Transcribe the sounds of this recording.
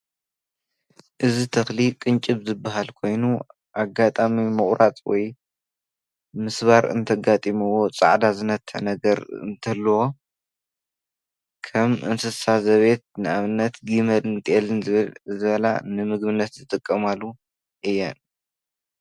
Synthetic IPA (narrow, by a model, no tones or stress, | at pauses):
ʔɨzit̪ʰɐxlikʼɨnt͡ʃʼɨβzɨbːaɦalkʰo̞jnu | ʔaɡat̪ʼamimɨχʼɾat͡s̪ʼwɔ̰j | mɨsβaɾɨ̰nt̪ʰɐɡat̪ʼimɨwo̞t͡sʼa̰ʕd̪azɨnɐt̪ʰːɐ̰nɐɡɐɾɨ̰nt̪ʰɐlːwo̞ | kʰɐmʔɨ̰nsɨsazɐβe̞t̪̚nɨaβɨnːɐt̪ɡimɐlɨnt̪ʰʼʔelɨnɨβlzɨβɐla̰nɨmɨɡbɨnːɐt̪zɨt̪ʼɨkʼːɐmalːu | ʔɨjːɛn